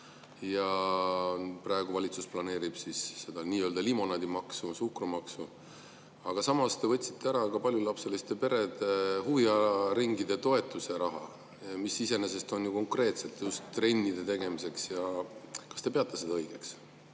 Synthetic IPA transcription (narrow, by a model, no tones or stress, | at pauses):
jɑ | prɑe̞ɡ̥uvɑlʲit̪susplɑne̞ːɾib̥sisːe̞d̪̥ɑniːø̞ːld̪ɑlimo̞nɑd̪̥imɑksusukrumɑksu | ɑɡ̥ɑsɑmɑst̪e̞vɤt̪ʲsi̥t̪ːeæɾɑkɑpɑlʲjulɑpse̞list̪epe̞ɾe̞d̪ehuviɑɾiŋɡid̪e̞t̪o̞e̞t̪ːˑuse̞ɾɑɦɑ | misise̞ne̞se̞st̪o̞njuko̞ŋkre̞ːt̪se̞t̪ːˑjust̪ːre̞nʲːid̪̥e̞t̪e̞ɡ̥e̞mise̞ksjɑkɑ̥st̪e̞pe̞ɑt̪ːˑesed̪ɑɤiɡ̥e̞ks